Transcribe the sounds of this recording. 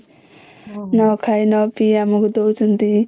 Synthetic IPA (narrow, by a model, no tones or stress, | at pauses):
nɔkʰajnɔpiamukd̪ot͡sunt̪i